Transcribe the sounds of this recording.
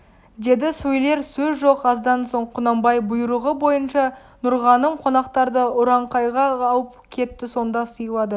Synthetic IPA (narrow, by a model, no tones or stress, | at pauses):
d̪e̞d̪ɪsujle̞ɾsɵzʒo̞qɑzd̪ɑnso̞ɴqʰʊnɑmbɑjbʊjɾəʁəbo̞jənʃɑ | nʊɾʁɑnəmqʰo̞nɑqt̪ɑɾd̪əʊɾɑɴqɑjʁɑːlˠəpkʲʰe̞t̪ːɪso̞nd̪ɑsəjəlˠɑd̪ə